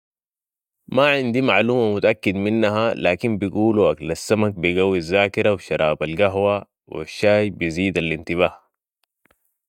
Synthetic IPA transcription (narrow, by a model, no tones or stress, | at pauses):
maʕind̪imaʕluːmamut̪aʔakːid̪minːaɦalaːkimbiɡuːluʔaklasːamak̚biɡawːizːaːkiɾawʃɑɾˤaːbalɡaɦwa | wʔa̰ʃːaːjbiziːd̪alint̪iβaːh